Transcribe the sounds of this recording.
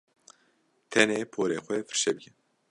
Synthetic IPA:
t̪ʰɛneːpʰoːɾeːxʷɛfɨ̥ɾʃɛbɨkʰɛn

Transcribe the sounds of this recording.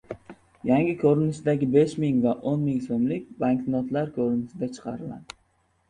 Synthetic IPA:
jaŋɡʲɪkʰɵɾɪnɪʃd̪aɡʲɪbe̞ʃmɪŋvaʔonmɪŋsomlɪk̚ʲbaŋk̪nɒt̪laɾkʲʰɵɾɪnɪʃɪd̪at͡ʃʰɨ̥qʰɑɾɪla̰d̪ɪ

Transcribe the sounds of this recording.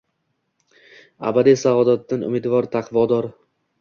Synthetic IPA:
a̰bad̪isavɒd̪at̪̚ːanʊ̰mɪd̪vɒɾt̪ʰaqʰvɒd̪ɒɾ

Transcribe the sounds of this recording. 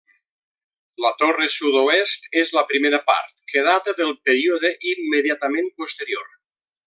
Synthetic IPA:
lət̪oresuðoest̪ezləpɾimeɾəpa̰ɾt̪̚keð̞at̪əðəlˠpeɾioðeʔimːeðjat̪əmẽnpost̪əɾioɾ

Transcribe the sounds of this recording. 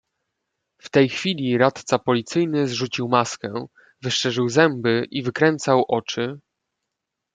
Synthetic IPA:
ft̪ɛjxfʲilʲiɾat̪t̪sapɔlʲit̪sɘjnɘzʐut͡ɕiwmaskɛ | vɘʂʂɛʐɘwzɛmbɘʔivɘkɾɛnt̪sawʔɔt͡ʂɘ

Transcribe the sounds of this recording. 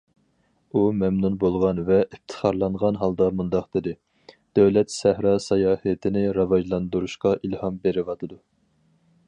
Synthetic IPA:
umɛmnunbolˠʁɑnvɛʔift̪ʰə̥χʰɑɾlˠɑɴʁɑnɦɑlˠd̪ɑmund̪ɑqd̪̥ɨd̪ɪ | d̪̥ɛwlɛt̪sæhɾɑsɑjɑːhɛt̪ʰɪnɪɾɑvɑʒlˠɑnd̪uɾuʃqɑʔilˠhɑmbeɾɪvɑt̪ʰɨd̪u

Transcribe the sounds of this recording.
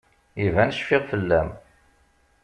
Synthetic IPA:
ivænʃfɪʁfəlːæm

